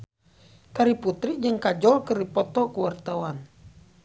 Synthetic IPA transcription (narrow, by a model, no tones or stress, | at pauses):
kaɾiput̪ɾid͡ʒɨŋkad͡ʒɔlkɨrdipɔt̪ɔkuwart̪awan